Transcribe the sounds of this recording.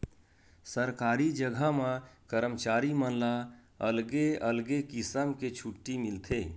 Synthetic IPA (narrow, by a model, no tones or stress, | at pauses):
səɾkaːɾid͡ʒəɡʱamãkəɾəmt͡ʃaːɾimənla | əlɡeəlɡekisəmket͡ʃʰuʈːimɪlt̪ʰe